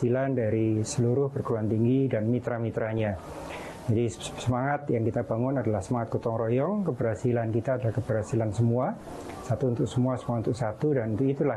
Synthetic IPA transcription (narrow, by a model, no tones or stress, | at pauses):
ilandaɾisəluɾʊhpərkuɾuant̪iŋɡidanmit̪ɾamit̪ɾaɲa | d͡ʒadisəmaŋat̪jaŋkit̪abaŋʊnadalahsəmaŋat̪̚kut̪ɔŋɾojɔŋkəbərhasilankit̪aːdalahkəbərɦasilansəmua | sat̪uːnt̪ʊk̚səmuasəmuaunt̪ʊksat̪udanunt̪ʊkit̪ulah